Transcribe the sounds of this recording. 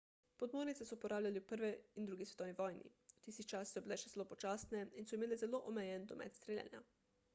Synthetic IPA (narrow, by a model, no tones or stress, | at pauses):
pod̪moːɾnisɛsɔpɔɾʔaːwlʲaliupəɾʋɛind̪ɾuːɡisʋɛt̪owniʋɔːjnḭwt̪iːst̪it͡ʃassɔbilɛʃɛzɛlopot͡ʃaːsnɛinsɔimeːlɛzɛloːʔomɛjɛnd̪ɔmʔɛ̰t̪st̪ɾɛlja̰nja̰